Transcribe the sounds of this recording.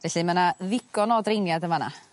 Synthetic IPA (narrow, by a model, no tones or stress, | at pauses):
vɛɬɨmanaðɪɡɔnɔdrejnjadəmana̰